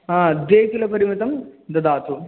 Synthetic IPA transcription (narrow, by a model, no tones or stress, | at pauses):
ɦãːd̪eːkilɐpɐɾimit̪ɐmd̪ɐd̪aːt̪ʰu